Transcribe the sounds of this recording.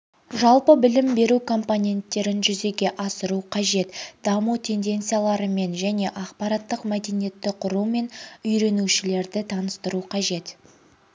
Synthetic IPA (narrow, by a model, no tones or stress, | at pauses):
ʒɑlˠpəbɪlɪmbe̞ɾukʰo̞mponʲe̞nt̪ːe̞ɾɪnʒʏze̞ɡʲe̞ʔɑsəɾuqʰɑʒe̞t̪d̪̥ɑmut̪ʲʰe̞nd̪e̞nt̪sijalˠɑɾəme̞nʒæne̞ʔɑqpɑɾɑt̪ːəqmæd̪e̞nije̞t̪ːɪqʰʊɾume̞nʏjɾe̞nuʃɪle̞ɾd̪ɪt̪ʰɑnəst̪əɾuqʰɑʒe̞t̪